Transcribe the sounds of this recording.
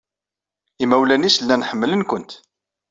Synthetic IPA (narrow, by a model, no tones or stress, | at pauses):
imæwlænisəlːænħəmːələnkʷənt̪